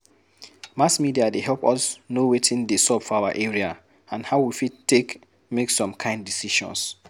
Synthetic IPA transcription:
masmidiadeɦɛlpɔsnowetʰĩndesɔbfɔawaʔeɹia | ãnhaʊwifittek | meksɔ̃mkʰãɪ̃ndisiʃɔ̰̃ns

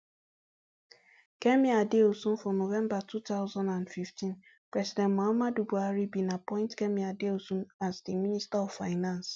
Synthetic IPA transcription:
kɛmiadeosũn̩fɔnovɛ̃mbatutaʊzãndãndfiftĩn | pɹɛsidɛ̃ntmoamadubuaɾibĩnapɔ̃ɪ̃ntkɛmiadeosũnazdiministaɔvfaɪnãns

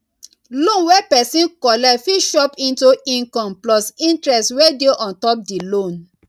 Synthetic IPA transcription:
lõnwɛpɛsĩnkɔlɛfiʃɔpĩntuĩnkɔ̃mplɔsĩntɹɛstwɛdeʔɔ̃ntɔp̚dilõn

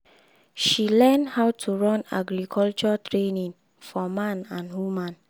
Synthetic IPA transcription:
ʃilɛnhawtʰuɹɔ̃na̰ɡɾikʰɔlt͡ʃɔtʰɹenĩŋ | fɔmãnãnwumãn

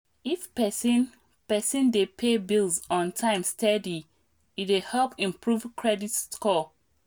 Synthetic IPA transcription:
ifpɛsĩn | pɛsĩndepʰebilzɔ̃ntʰãɪ̃mstʰɛdi | itehɛlpĩmpɹuvkʰɹɛditskɔ

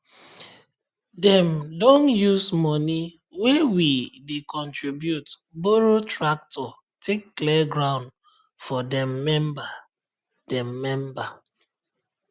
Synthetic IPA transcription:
dɛ̃mdõnjusmɔniwɛwidekʰɔ̃ntɹibjutboɹotɹak̚tʰɔ | tʰekːlɛɡɹãʊ̃nd | fɔdɛ̃mːɛ̃mba | d̥ɛ̃mːɛ̃mba

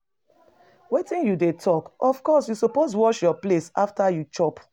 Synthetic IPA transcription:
wetĩnjudetʰɔkɔfkɔsjusopos̬wɔʃjɔplesa̰ftajut͡ʃɔp

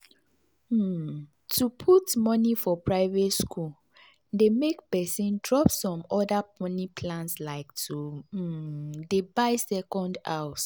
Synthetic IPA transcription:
tʰupʰutmɔnifɔpʰɹaɪvetskul | demekpɛsĩndɹɔpsɔ̃mɔdapɔ̃nipʰlãnslaɪktu | debaɪsɛkɔ̃ndaʊs

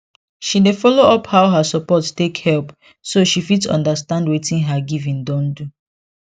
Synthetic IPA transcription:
ʃinefɔloɔphaʊɦasɔpɔttekhɛlp | soʃifitsɔ̰̃ndəstãndwetĩnɦaɡivĩndɔ̃ndu

